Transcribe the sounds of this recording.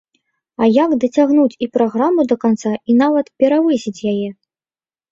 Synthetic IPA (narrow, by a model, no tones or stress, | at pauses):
ɐjaɡd̪ɐt͡sʲaɣnut͡sʲipɾaɣɾamːud̪ɐkant̪sainavɐt̪pʲɛɾavɨsʲit͡sʲjajɛ